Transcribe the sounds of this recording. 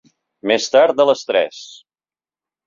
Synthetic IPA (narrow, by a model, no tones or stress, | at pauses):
mest̪aɾt̪̚d̪ələst̪ɾɛ̰s